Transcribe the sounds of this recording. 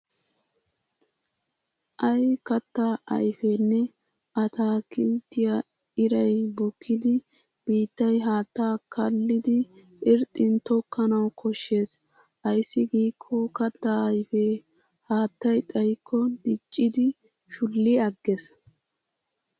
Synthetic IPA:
ʔɐjkɐt̪ːaʔɐ̰jfenːɛ | ɐt̪aːkɪmt̪ːɪja | ɪɾɐjbʊkʰːɪd̪ɪ | b̥iːt̪ːɐjɦaːt̪ːaːkʰɐlːɪd̪ɪ | ʔɪɾt̪ʼːɪnt̪ɔkʰːɐnɐwkʰɔʃːe̞ːs | ʔɐjsːɪɡiːkʰːɔkɐt̪ːaɐjfeː | haːt̪ːɐjt̪ʼɐjkʰːɔd̪ɪt͡ʃʼːɪd̪ɪ | ʃʊlːɪɐɡːɛs

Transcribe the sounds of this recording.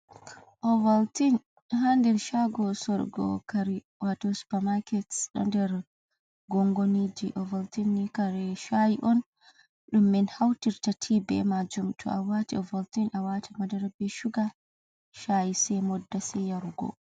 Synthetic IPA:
ʔɔvaltin | handɛɾʃaɡɔsɔɾɡɔ̰kaɾi | watɔsu̥pamakɛtsɗɔ̰ndɛɾ | ɡɔŋɡonid͡ʒiʔɔvaltinːikaɾɛʃajiʔɔn | ɗumːɛnhawtiɾtatʰibɛ̰mad͡ʒumtʰɔ̰ʔawatḭɔvaltinʔawatʰimadɛɾbɛʃuɡa | ʃajisɛmɔdːasɛjaɾuɡɔ̰

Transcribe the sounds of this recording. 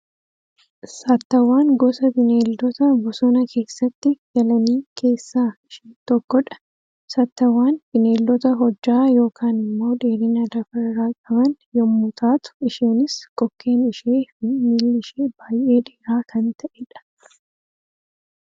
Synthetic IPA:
saːt̪ːɐwːaːŋɡɔsɐbɪne̞ːld̪ɔt̪ɐbɔsɔnɐkʰe̞ːsːɐt̪ːɪd͡ʒɐlɐniːkʰe̞ːsːaːɪʃiːnt̪ɔkːɔᶑɐ̥ | saːt̪ːɐwːaːnb̥ɪneːld̪ɔt̪ɐɦɔd͡ʒːaːjo̞ːkʰaːnɪmːo̞ːdeːɾɪːnɐd̪ɐfɐɾɾaːkʼɐbɐnjɔmːʊt̪ʰaːt̪ʊ̥ɪʃiːnɪskʼɔkːe̞ːnɪʃeːfɪmiːlːɪʃeːbaːjʔe̞ːᶑeːɾaːkʰɐnt̪ɐʔɛᶑɐ̥

